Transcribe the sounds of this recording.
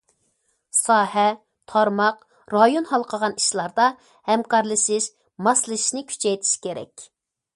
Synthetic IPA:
sɑːhɛ | t̪ʰɑɾmɑq | ɾɑjonhɑlˠqʰəʁɑniʃlˠɑɾd̪ɑ | hɛmkʰɑɾlˠɨʃiʃ | mɑslˠɨʃi̥ʃnɪkʲʰy̥t͡ʃʰɛjt̪ʰi̥ʃkʲʰeɾɛ̰kʲ

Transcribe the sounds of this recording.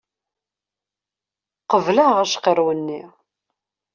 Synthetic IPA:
qəvlæʁæʃqəɾwənːi

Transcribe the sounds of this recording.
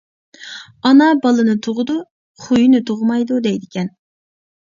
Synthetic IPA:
ɑnɑbɑlˠɨnɨt̪ʰoʁʊd̪u | χujunɨt̪ʰoʁʊmɑjd̪ud̪ɛjd̪ɪkʲʰɛn

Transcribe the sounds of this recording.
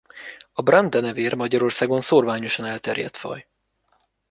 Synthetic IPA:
ɒbrɛnd̪ɒnɛveːrmɒɟɒɾo̞rsaːɡo̞nsoːrvaːɲoʃɒnɛlt̪ɛrjɛ̰t̪fɒ̰j

